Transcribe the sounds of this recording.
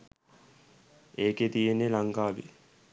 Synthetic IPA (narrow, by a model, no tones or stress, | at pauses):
eːket̪ijenːelaŋkaːʋḭ